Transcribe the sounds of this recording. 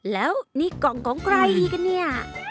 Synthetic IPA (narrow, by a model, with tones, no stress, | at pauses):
lɛː˦˥wniː˧˥˩kɔ˨˩ŋkʰɔː˩˦ŋkʰɾa˧jiː˧ka˧nːi˥˩ɐ